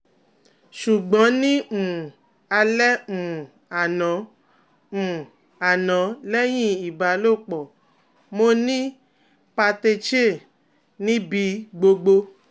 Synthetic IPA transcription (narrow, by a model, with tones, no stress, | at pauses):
ʃu˨ɡ͡bɔ̃˨˦nĩ˦mu˨u˨ | a˧lɛ˦mu˨u˨ | a˨nã˨˦ | mũ˨ | a˨nã˨˦lɛ˦j̃ĩ˦˨i˨ba˨lo˦˨k͡pɔ˨ | mo˧˦nĩ˦ | pa˧te˧t͡ʃe˦˨ | nĩ˦bi˧ɡ͡bo˧ɡ͡bo˧